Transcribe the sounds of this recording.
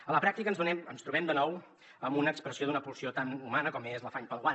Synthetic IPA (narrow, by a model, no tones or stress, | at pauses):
ələpɾak̚t̪ikənzðunɛmə̰nst̪ɾuβɛmd̪ənɔw | əmbunəːkspɾəsioðunəpulsiot̪anumanəkɔmezləfaɲpəlˠɣwa